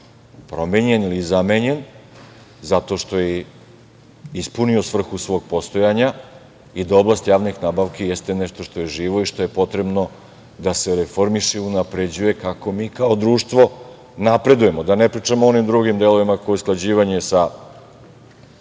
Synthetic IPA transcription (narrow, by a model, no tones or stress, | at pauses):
pɾo̞me̞ɲenilizameɲe̞n | zat̪o̞ʃt̪o̞je | ispunio̞sʋr̩xusʋo̞ɡ̚po̞st̪o̞jaɲa | id̪ao̞blˠast̪jaːʋnixnaːbaʋke̞jest̪e̞neʃt̪o̞ʃt̪o̞je̞ʒiːʋo̞iʃt̪o̞jepo̞t̪ɾe̞bno̞ | d̪ase̞ɾefo̞ɾmiʃeunapɾe̞d͡ʑuje̞kako̞miːkao̞d̪ɾuːʃt̪ʋo̞ | napɾe̞d̪uje̞mod̪anepɾiːt͡ʂamoo̞nimd̪ɾuɡimd̪e̞lˠo̞ʋimakojesklˠad͡ʑiːʋaɲesa